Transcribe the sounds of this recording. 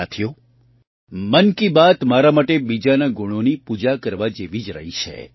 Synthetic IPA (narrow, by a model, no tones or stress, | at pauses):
at̪ʰijo | mənkibat̪maɾamaʈebid͡ʒanaɡuɽ̃onipud͡ʒakəɾʋad͡ʒeʋid͡ʒɾə̰ɦit͡ʃʰḛ